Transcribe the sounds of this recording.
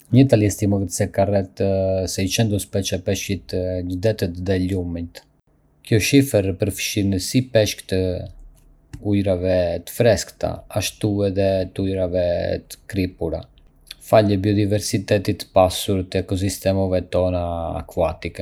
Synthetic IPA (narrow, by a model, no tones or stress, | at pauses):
ɲət̪alɛst̪iməɡət̪sɛkarɛt̪sɛit͡ʃɛnd̪ɔspɛt͡ʃɛpɛʃit̪d͡ʒd̪ɛt̪ət̪ðɛlumit̪ | kjɔʃifɛɾpəɾfʃinəsipɛʃkt̪ə | ujɾavɛt̪ə̥fɾɛskt̪a̰aʃt̪uɛðɛt̪ujɾavɛt̪ə̥kɾipuɾa̰ | faləbiɔd̪ivɛɾsit̪ɛt̪it̪pasuɾt̪əɛkɔs̬ist̪ɛmɔvɛt̪ɔna̰ːkuat̪ikɛ